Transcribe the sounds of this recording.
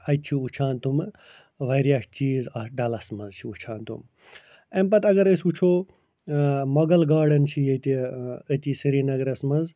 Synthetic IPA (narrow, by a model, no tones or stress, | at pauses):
ɐjt͡ʃʰiut͡ʃʰaːnt̪um | ʋɐɾjakʰt͡ʃiːzɐɖɐlɐsmɐzt͡ʃʰiut͡ʃʰaːnt̪ṵm | ɐmpɐt̪ɐɡɐɾəsʲut͡ʃʰoː | mɐɡɐlɡaːɖɐnt͡ʃʰijɐt̪iət̪isiɾiːnɐɡɾɐsmɐz